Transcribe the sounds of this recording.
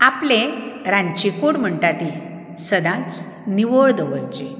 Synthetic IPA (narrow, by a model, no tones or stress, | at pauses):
aplẽɾãɲt͡ɕikuɽm̤əɳʈat̪i | səd̪ãt͡s | niʋoɭd̪əʋəɾt͡ɕe